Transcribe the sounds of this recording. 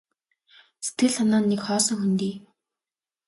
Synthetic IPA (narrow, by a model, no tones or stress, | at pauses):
se̥t̪ɡɘ̆ɮt̪ʰanaːnːekχɔːsɞ̆ŋxunt̪iː